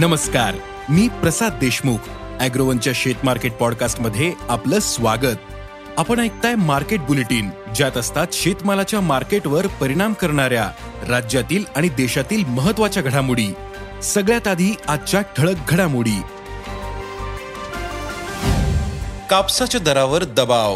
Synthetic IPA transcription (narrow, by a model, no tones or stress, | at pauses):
nəməskaɾ | miːpɾəsad̪̚d̪eɕmukʰ | æɡɾoʋənt͡ɕjaɕet̪maɾkeʈ̚pɔɽkasʈməd̪ʱːjeapləːsʋaɡət̪̚ | apəɳ̃ajk̚t̪ajmaɾkeʈ̚buleʈiːnd͡ʑjat̪əst̪at̪ɕet̪malat͡ɕjamaɾkeʈʋəɾpəɾiɽ̃amkəɾɳ̃aɾja | ɾad͡ʑjat̪iːlaɽ̃id̪eɕat̪iːlməɦət̪ːʋat͡ɕjaɡʱəɽamuɽiː | səɡɭjat̪ad̪ʱiːad̪̚t͡ɕjaʈʰəɭək̚ɡʱəɽamuɽiː | kapsat͡ɕad̪əɾaʋəɾd̪əbaʋ